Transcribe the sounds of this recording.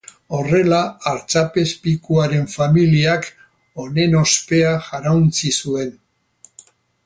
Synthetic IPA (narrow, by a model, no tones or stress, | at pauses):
o̞re̞laːɾt͡ʃape̞spikuaɾe̞ɱfamiliak | o̞ne̞no̞spe̞aʝaɾawnt͡sisue̞n